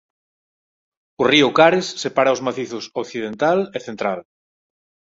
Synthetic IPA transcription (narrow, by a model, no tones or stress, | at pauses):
ʊriʊkaɾesːepaɾaozmaθiθʊsokθið̞ent̪aleθent̪ɾal